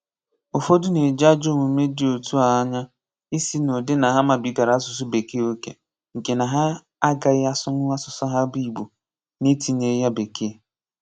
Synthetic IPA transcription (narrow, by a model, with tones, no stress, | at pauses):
o˨fo˦dʊ˦ne˨d͡ʒa˦d͡ʒo˦˨mu˨˦me˦dɪ˦˨o˨tu˦a˨˦ɲa˦ | i˦si˦no˨dɪ˦na˨ɦa˦ma˨bi˨˦ta˨ɾa˨˦sʊ˨s̬u˦be˨ki˦o˦ke˨ | ŋ̩˨ke˨na˨ɦa˦ | a˦ɡa˨ɪ˦a˦sʊ˦ŋʊ˦a˦sʊ˨sɔ˦ɦa˦bi˦˨ɡ͡bo˨ | ne˦ti˨ne˨˦ja˦be˨ki˦e˨